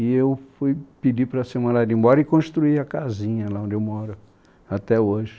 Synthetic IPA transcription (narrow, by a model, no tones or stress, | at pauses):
ɪewfujpid͡ʒipɾɐsemɐ̃nladɪĩbɔɾɐɪkõʃt̪ɾuiɐkazĩɲɐlaõnd͡ʒɪewmɔɾʊ | at̪ɛoʒɪ